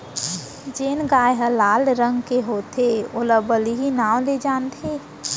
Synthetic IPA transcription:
d͡ʒeːnɡaːjɦəlaːlɾə̃ŋɡkeɦoːt̪ʰeoləbəliɦinaːw̃led͡ʒaːnt̪ʰeː

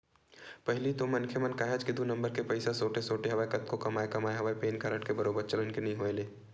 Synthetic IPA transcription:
pɐɦlit̪omɐnkʰemɐnkaːɦed͡ʒkid̪unɐ̃mbəɾkepɐɪsasoːʈesoːʈeɦɐʋaːekɐt̪kokɐmaːekɐmaːeɦɐʋaːepeːnkaːɾəʈkebɐɾoːbəɾt͡ʃɐlənkenɐɦĩɦoːeleː

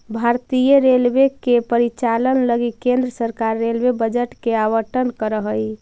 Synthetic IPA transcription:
bʱaɾt̪ijəɾelʋekepəɾit͡ʃalənləɡikẽnd̪ɾəsəɾkaɾːelwebəd͡ʒəʈkeawəʈənkəɾəɦəi

